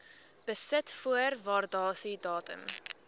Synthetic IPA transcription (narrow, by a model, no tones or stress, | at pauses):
b̥əsətfuərvɑːrdɑːsidɑːtə̰m